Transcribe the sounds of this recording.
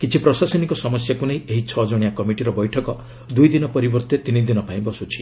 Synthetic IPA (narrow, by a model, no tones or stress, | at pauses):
kit͡ʃʰipɾɔsasɔnikɔsɔmɔsjakunejeɦit͡ʃʰɔd͡ʒɔɽ̃ijakɔmiʈiɾɔbɔjʈʰɔkɔ | d̪ujd̪inɔpɔɾibɔɾt̪et̪inid̪inɔpaĩbɔsut͡ʃʰi̥